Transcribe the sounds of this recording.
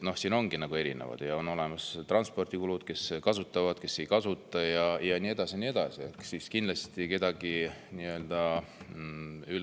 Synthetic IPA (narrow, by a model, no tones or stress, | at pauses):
no̞hsiːno̞ŋɡ̥inɑɡ̥ue̞ɾḭnḛvɑ̰d̪̥jɑo̞no̞le̞mɑst̪rɑnspo̞rd̪̥ikulud̪̥ke̞skɑsut̪ˑːɑvɑd̪̥ke̞sːe̞jkɑsut̪ːˑɑjɑjɑniːe̞d̪̥ɑsiniːe̞d̪̥ɑsie̞ksiskind̪lɑst̪ike̞d̪̥ɑɡ̥iniø̞ld̪̥ɑ | yl